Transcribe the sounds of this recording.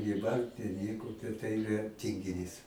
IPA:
ɡʲiːˈʋɐnt ɪr ˈnʲiɛkoː tɐ ˈtɐɪ ɪˈrɐ tʲɪŋʲɡʲɪˈnʲiːs

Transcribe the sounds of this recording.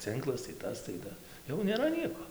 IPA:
ˈt͡sɨŋklˠɐs tɐɪ ˈtɐs tɐɪ ˈtɐ jɛʊ nʲeːˈrɐ ˈnʲiɛkoː

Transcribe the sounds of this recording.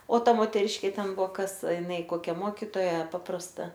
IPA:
oː ˈtɐ moːtʲɛˈrʲɪʃʲkʲeː ˈtʲɛn ˈbuɔ ˈkɐs ɪˈnɐɪ ˈkoːkʲɛ ˈmoːkʲɪtoːjɛ ˈpɑːprɐstɐ

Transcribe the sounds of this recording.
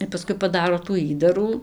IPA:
ɪr pɐˈskʊɪ pɐˈdɑːroː tuː ˈiːdɐruː

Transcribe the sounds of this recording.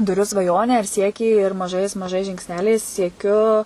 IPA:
tʊˈrʲʊ sʋɐˈjoːnʲæː ɪr ˈsʲiɛkʲiː ɪr mɐˈʒɐɪs mɐˈʒɐɪs ʒʲɪŋksʲˈnʲæːlʲɛɪs sʲiɛˈkʲʊ

